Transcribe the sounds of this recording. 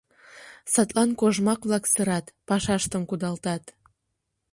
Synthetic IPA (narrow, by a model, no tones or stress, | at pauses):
sɑt̪lɑnkoʒmɑkβlɑksəɾɑt̪pɑʃɑʃt̪əmkud̪ɑlt̪ɑt̪